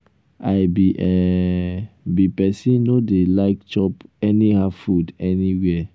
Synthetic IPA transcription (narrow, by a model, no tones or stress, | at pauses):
aɪbiʔɛ | bipɛsĩnnodelaɪk̚t͡ʃɔpɛnihafudɛniwɛ